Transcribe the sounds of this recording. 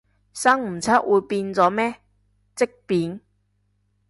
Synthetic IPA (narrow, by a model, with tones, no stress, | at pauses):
sɐ˥ŋm̩˨˩t͡sʰa˥t̚wʔuː˨˧jpi˧nt͡sɔː˨˥mɛː˦˥ | t͡sɪ˥k̚piː˨˥n